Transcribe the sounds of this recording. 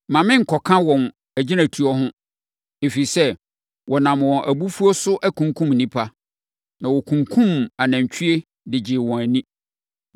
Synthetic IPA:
mã˨mɪ̃˦ŋ̩˨kʰɔ˨kʰã˦wɔ̃˨n | æ˨d͡ʑɪ˦næ̃˨tʰu˨˦ɔ˦ɦʊ̃˦ | e˨fi˨sɛ˦ | wɔ˨nã˨mwɔ̃˨nʔæ˨bu˦fu˦o˦sʊ˦ʔæ˦kʰũ˨ŋkʰũ˦mnĩ˦pʰa˦ | nã˨wɔ˨kʰũ˨ŋkʰũ˦ma˨nã˨ɲ˨t͡ɕᶣʰy˦e˦ | dɪ˨d͡ʑɪ˨wɔ̃˨æ˨nĩ˦

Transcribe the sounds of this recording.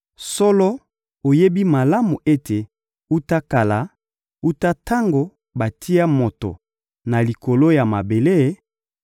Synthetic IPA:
sɔ˦lɔ˦ | o˨je˦bi˦ma˨la˦mu˨ʔe˦tʰe˨ | u˦ta˦ka˨la˨ | u˦ta˦ta˦ŋɡo˨ | ba˨ti˦a˦mo˨to̰˨ | na˨li˨ko˨lo˦ja˨ma˨be˨le˦˨

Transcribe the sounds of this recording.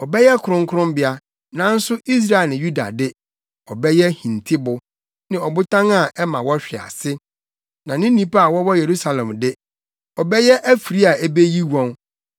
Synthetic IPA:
ɔ˨bɛ˦jɛ˦kʰʊ˨ʊ̃˦ŋ˦kʰʊ˦ʊ̃˦mbɪ˦a˦ | nã˨˦n̩˦sʊ˦i˦s̬ɾa˦e˨lnɪ̃˨ju˦da̰˨dɪ˦ | ɔ˨bɛ˦jɛ˦hĩ˨n˨tʰɪ˦bʊ˨ | nɪ̃˨ɔ˨bʊ˦tʰã˦ŋa˨ʔɛ˦mã˨wɔ˦ɕᶣɪ˨a̰˨sɪ˦ | nã˨nɪ̃˦nĩ˦pa˦a˨wɔ˦wɔ˦je˨ɾu˦sa˨lɛ̃˨mdɪ˦ | ɔ˨bɛ˦jɛ˦ʔæ˦fi˨ɾi˦a˨e˦be˦ji˦wɔ̃˦n

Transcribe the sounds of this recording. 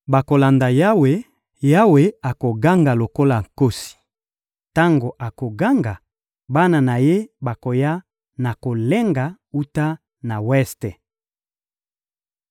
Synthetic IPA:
ba˨ko˨la˨nda˨ja˦we˨ | ja˦we˨a˨ko˨ɡa˦ŋɡa˨lo˨ko˦la˨ŋ˨ko˦si̥˨ | ta˦ŋɡo˨ʔa˨ko˨ɡa˦ŋɡa˨ | ba˦na˨na˨je˦ba˨ko˨ja˦ | na˨ko˨le˦ŋɡa˨ | u˦ta˦ | na˨wɛ˦ste˨

